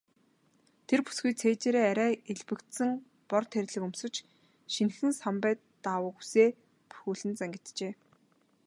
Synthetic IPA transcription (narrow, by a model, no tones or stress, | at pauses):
t̪ʰerpu̥sɡujt͡sʰeːt͡ɕeːɾeːæɾʲæːeɮpɘ̆kt̪sɘ̆ŋ | pɔrt̪ʰːeɾʲɮɘ̆kɵmsɵ̆t͡ɕ | ʃinxɘ̆nsampæːt̪ː | awə̆xu̥seː | pu̥xuːɮɘ̆nt͡sæŋɡʲɪ̆t̪t͡ɕeː